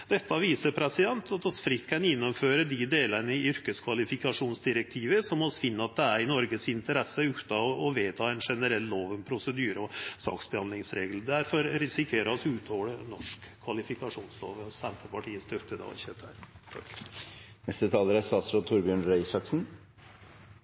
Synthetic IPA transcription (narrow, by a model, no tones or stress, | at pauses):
d̪̥ɛt̪ːɑʋiːsəpʰɾɛsɪd̪ɛnt̪ɑt̪ɔsfɾɪt̪ːkʰɑnjɛnːɔmføːɾəd̪ɪd̪eːlənəɪʏɾkəskʰʋɑlɪfɪkɑʂuːnsd̪ɪɾɛk̚t̪ʰiːʋəsɔmɔsfɪnːəɑt̪̚d̪ɛæɾɪnɔɾɡəsɪnt̪əɾɛsːəʉt̪ɑɔʋeːt̪ʰɑːɛɪnʂɛnəɾɛlːoːʋənpʰɾʊsəd̪yːɾəɔsɑ̰ːksbɛhɑnd̪lɪŋsɾeːɡəl̩d̪æɾfɔɾɾɪsɪkʰeːɾəɔsʉːt̪ʰoːlənɔʂkʰːʋɑlɪfɪkɑʂuːnslo̰ːʋəsɛnt̪əpɑʈʰiːəst̪œt̪ːəd̪ɑ̰çət̪æ̰ɾt̪ʰɑk | nɛst̪ət̪ʰɑːləɾæst̪ɑːt̪sɾoːt̪ʰʊɾbɪøːɳɾɛɪsɑksn̩